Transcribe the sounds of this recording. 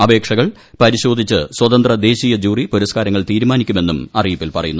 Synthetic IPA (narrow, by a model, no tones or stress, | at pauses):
ɐbe̞ːkʂɐɣɐɭ | pɐɾiɕo̞ːd̪ʱit͡ɕːɨswɐt̪ɐnd̪rɐd̪e̞ːɕijɐd͡ʑuːripuɾɐskaːɾɐŋːɐɭt̪iːɾumaːnikʲːume̞nːumɐrijpːilpɐrɐjunːu